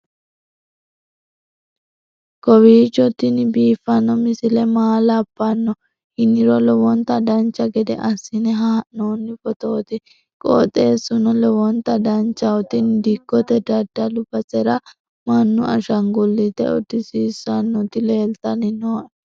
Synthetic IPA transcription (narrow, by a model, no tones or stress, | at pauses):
kɔwiːt͡ʃːɔt̪ːɪnɪbiːfːɐnːɔmɪsɪlɛmaːlɐpːɐnːɔ | hɪnːɪɾɔlɔwɔnt̪ɐd̪ɐnt͡ʃːɐɡɛd̪ɛ̰ʔɐsːɪnɛɦaːʔnoːnːɪfɔt̪oːt̪ɪ | kʼɔ̰t̪ʼeːsːʊnɔlɛwɔnt̪ɐd̪ɐnt͡ʃːɐɔt̪ːɪnd̪ɪkːɔt̪ɛd̪ɐd̪ːɐlʊbɐsɛɾɐ | mɐnːʊɐ̰ʃɐŋɡɔlːit̪ɛ̰ɔd̪ɪsiːsːɐnːɔt̪ːɪle̞ːlt̪ɐnɪnoːʔ